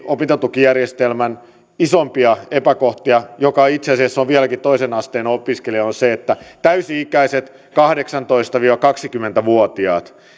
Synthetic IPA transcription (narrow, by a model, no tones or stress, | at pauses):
opit̪et̪ːukijærjest̪elmæn | isompiɑepækoht̪iɑjokɑit̪seɑsiɑsːoʋʋiælækit̪oisenɑst̪eːnopiskeliɑonseet̪ːæt̪æysiikæiset̪ | kɑhdeksɑnt̪oist̪ɑʋiːʋɑkɑksikymːent̪æʋuot̪iɑːt̪